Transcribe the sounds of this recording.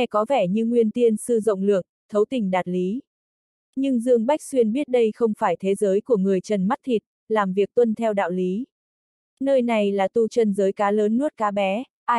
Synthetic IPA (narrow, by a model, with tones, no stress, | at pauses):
ɛ˧kɔ˨˦vɛ˧˩ɲɨ˧ŋwi˧ənt̪i˧ənsɨ˧zə̰˧˨wŋ͡mlɨ˨˩ək̚t̪ʰə˨˦wt̪ï˨˩ŋ̟ɗaː˨˩t̚li˨˦ | ɲɨ˧ŋzɨ˧əŋɓa˦˥jk̚swi˧ənɓi˦˥ət̚ɗə˧jxə˧wŋ͡mfaː˧˩jt̪ʰe˨˦zəː˨˦jku˧˩əŋɨ˨˩əjt͡ɕə˨˩nma˦˥t̚t̪ʰi˨˩t̚ | laː˨˩mvi˨˩ək̚t̪wə˧nt̪ʰɛ˧wɗa̰ː˧˨wli˨˦ | nəː˧jna˨˩jlaː˨˩t̪u˧t͡ɕə˧nzəː˨˦jkaː˨˦ləː˨˦nːɨ˦˥t̚kaː˨˦ɓɛ˨˦ | ʔaː˧